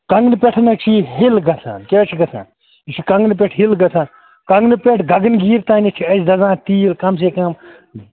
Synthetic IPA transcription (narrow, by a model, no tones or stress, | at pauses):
kɐŋɡnɨpʲeʈʰnɐkt͡ʃʰiɦilɡɐsʰa̰ːnket͡ʃʰiɡɐsʰã̰ːn | it͡ʃʰikɐŋɡnp̬eʈʰɦilɡɐsʰãːn | kɐŋɡnɨpʲeʈʰɡʱɐɡɐnɡiːɾt̪aːnit͡ʃʰiɐsd̪ɐzãːt̪iːlkɐms̬eːkɐm